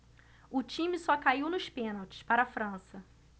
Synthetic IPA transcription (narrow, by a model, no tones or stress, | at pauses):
ʊt͡ʃĩmɪsɔkaiwnʊʃpẽnawt͡ʃɪ̥spaɾɐafɾɐ̃sɐ